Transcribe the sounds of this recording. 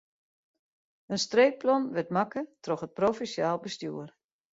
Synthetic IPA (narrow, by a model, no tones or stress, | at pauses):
ənstreːk̚plɔnʋɪtmakətrɔxət̚profisjaːlˠbəstjṵər